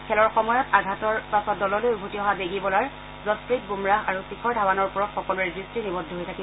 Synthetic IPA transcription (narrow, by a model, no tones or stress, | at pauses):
kʰɛlɔɹxɔmɔjɔtaɡʱatɔɹpasɔt̚dɔlɔlojɡʱutiɔɦabeɡibɔlaɹ | zɔspɹit̚ɡumɹaɦaɹutikʰɔɹdʱawanɔɹpuɹɔtxɔkɔluɛdɹistinibɔdʱːɔɦojtʰaki